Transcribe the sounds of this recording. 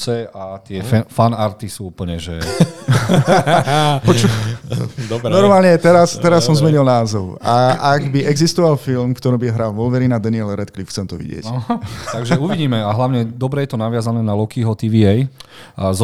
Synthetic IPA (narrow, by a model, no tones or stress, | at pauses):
t͡sɛat̪ɪɛfanaɾt̪isuːupəɲɛʒɛ | pɔt͡ʃu | d̪ɔɾnɔɾmaːlɲɛt̪ɛɾast̪ɛɾasːɔmzmɛɲilnaːzɔʊaaɡbiʔɛɡzist̪ɔʋalfilmkt̪ɔɾiːbiɦɾaːlʋɔlʋɛɾinad̪ɛniɛlɾɛt̪klifxt͡sɛmt̪ɔʋḭɟɪɛ̰ct̪aɡʒɛuʋiɟiːmɛaɦlaʊɲɛd̪ɔbɾɛjɛt̪ɔnaʋɪazanɛːnalɔkiɦɔt̪iʋiɛj | z